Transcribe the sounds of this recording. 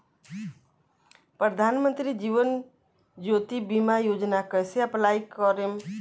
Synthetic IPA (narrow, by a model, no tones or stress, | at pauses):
pɾəd̪ʱaːnmə̃nt̪ɾid͡ʒiːʋən | d͡ʒoːt̪ibimajoːd͡ʒnakəjseaplaikɔɾem